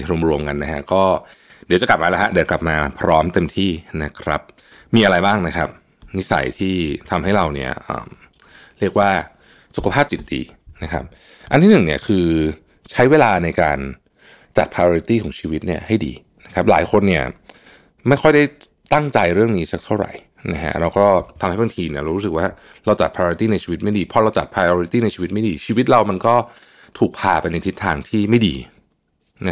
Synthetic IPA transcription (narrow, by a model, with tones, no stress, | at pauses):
ɾu˧mɾu˧əmka˧nːa˦˥kʰa˦˥kɔː˥˩ | di˨˦wt͡ɕa˨˩kla˨˩p̚maː˧lɛ˦˥ha˦˥di˨˦kla˨˩p̚maː˧pʰɾɔː˦˥mt̪e˧mt̪ʰiː˥˩na˦˥kʰɾa˦˥p̚ | miː˧ʔa˧ɾa˧jbaː˥˩ŋna˦˥kʰa˦˥p̚ | ni˦˥sa̰˨˩˦jt̪ʰiː˥˩t̪ʰa˧mɦa˥˩jɾa˧wni˥˩ɐʔə̰ː˨˩m | ɾi˥˩ək̚waː˥˩ | su˨kʰa˧pʰaː˥˩p̚t͡ɕi˨˩t̪̚dḭː˧ | na˦˥kʰa̰˦˥p̚ | ʔa̰˧nt̪ʰiː˥nɯ˨˩ni˦˥˩ɐkʰɯː˧ | t͡ɕʰa˦˥jweː˧laː˧na˧jkaː˧n | t͡ɕa˨˩t̪̚pʰaː˧oː˧ɾi˦t̪iː˥˩kʰɔː˩˦ŋt͡ɕʰiː˧wi˦˥t̪̚ni˥˩ɐha˥˩jdḭː˧˩ | na˦˥kʰa˦˥p̚la̰ː˩˦jkʰo˧nːi˥˩ɐ | ma˥˩jxʰɔ˥˩jda˥˩j | t̪a˥˩ŋt͡ɕa˧jɾɯ˥˩əŋniː˦˥sa˦˥k̚t̪ʰa˥˩wɾa̰˨˩j | na̰˦˥kʰa̰˦˥ɾa˧wkɔː˥˩t̪ʰa˧mha˥˩ba˧ŋt̪ʰiː˧ni˥ɐɾa˧˦ɾu˦˥s̬ɯ˨˩k̚waː˥˩ | ɾa˧wt͡ɕa˨˩t̪̚pʰaː˧ɾi˦˥t̪iː˥˩na˧jt͡ɕʰiː˧wi˦t̪̚ma˥˩jdiː˧˩pʰɔ˧ɾa˧wt͡ɕa˨t̪̚pʰɾaː˧joː˧ɾi˦t̪iː˥˩na˧jʰt͡ɕi˧wi˦˥ma˥˩jdiː˧t͡ɕʰiː˧wi˦˥t̪̚ɾa˧wma˧nkɔː˥˩ | t̪ʰuː˨˩k̚pʰaː˧pa˧jna˧jt̪ʰi˦˥t̪ʰːaː˧ŋt̪ʰiː˥˩ma˥˩jdḭː˧ | na˦˥